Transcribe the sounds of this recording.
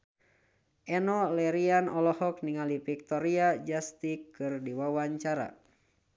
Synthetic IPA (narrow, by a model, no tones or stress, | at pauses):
ʔɛnɔlɛɾianɔlɔhɔk̚niŋalipik̚t̪ɔɾiad͡ʒast̪ikɨrdiwawaɲt͡ʃaɾa̰